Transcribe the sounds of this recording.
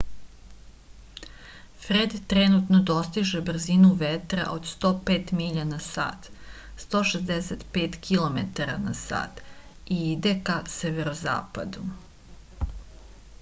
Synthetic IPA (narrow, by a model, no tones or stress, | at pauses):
fɾed̪t̪ɾenut̪nod̪o̞st̪iʒebr̩zinuʋet̪ɾa̰ʔo̞d̪st̪o̞ːpeːt̪miʎanasa̰ːt̪ | st̪o̞ːʃezd̪eset̪pe̞ːt̪kʰilo̞met̪aɾa̰nasa̰ːt̪ | iid̪e̞kaseʋeɾoza̰ːpa̰d̪u